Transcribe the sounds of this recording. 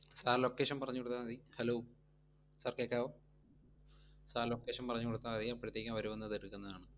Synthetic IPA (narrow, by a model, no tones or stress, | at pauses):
saːllokːe̞ːʂɐnpɐrɐɲːukoɽut̪ːanɐðihɐloː | saːrkeːkːaːʋo | saːllokːeːʂɐnpɐrɐɲːukoɽut̪ːaːɐðijɐpːɾɐt̪ːjekʲːaːʋɐɾumenːɐðeɾukːunːɐðaːɳɨ